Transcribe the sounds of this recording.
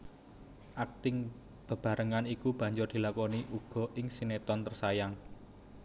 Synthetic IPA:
ʔak̚t̪ɪŋ | b̥ə̤b̥ä̤ɾʔəŋanikub̥ä̤ɲd͡ʒʊrd̪̥i̤lakɔniʔuɡ̥ɔ̤ʔɪŋsinet̪ɔnt̪ərsajaŋ

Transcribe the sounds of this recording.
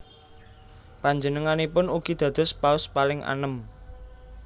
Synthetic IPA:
paɲd͡ʒənəŋanipʊnuɡ̥id̪̥ä̤d̪̥ɔ̤spaʊspalɪŋʔa̰nəm

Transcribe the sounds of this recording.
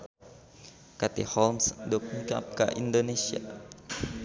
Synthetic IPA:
kat̪ḭhɔlmsdɔk̚iŋka̰p̚ka̰ʔindonesia̰

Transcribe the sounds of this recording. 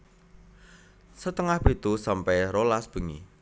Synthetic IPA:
sət̪əŋahpit̪usampɛɾolasb̥ə̤ŋḭ

